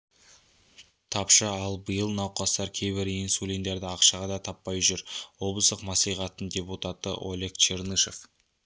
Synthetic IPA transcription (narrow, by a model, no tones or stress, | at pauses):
t̪ʰɑpʃəɑlˠbəjəlˠnɑwqɑst̪ɑɾkʲʰe̞jbɪɾinsulʲind̪e̞ɾd̪ɪɑqʃɑʁɑd̪ɑt̪ʰɑpːɑjʒʏɾwo̞blˠəsd̪əqmɑsijʁɑt̪ːəndʲe̞put̪ɑt̪ə̰ʔo̰lʲekt͡ʃʰeɾnɨʃe̞f